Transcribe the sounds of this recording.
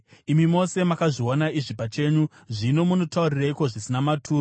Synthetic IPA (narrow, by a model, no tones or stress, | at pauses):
imimo̞se̞makaʐionaiʐipat͡ʃe̞ːɲu | ʐino̞munotauriraiko̞ʐisinamatʰuːr